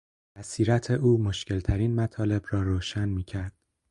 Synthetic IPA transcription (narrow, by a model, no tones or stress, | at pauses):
æsiːɾæt̪ʰe̞ʔuːmo̞ʃcʰe̞lt̪ʰæɾiːnmæt̪ʰɒːle̞bɾɒːɾoːʃænmiːcʰæɾd̪̥